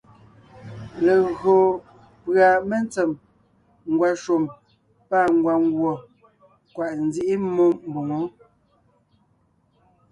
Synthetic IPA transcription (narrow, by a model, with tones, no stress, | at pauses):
le˨ɣo˨ | pɰa˨me˦nt͡sɛ˨m | ŋ˨ɡwa˨ʃo˨m | pa˦˨ŋ˨ɡwa˨ŋ˦ɡwɔ˨ | kwa˨ʔn˦zi˦ʔi˦mo˦m˦bu˨ŋo˨˦